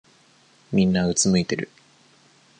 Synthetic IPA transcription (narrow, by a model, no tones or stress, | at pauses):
mʲĩnːaɯ̟t͡sɨmɯ̟it̪e̞ɾɯ̟̰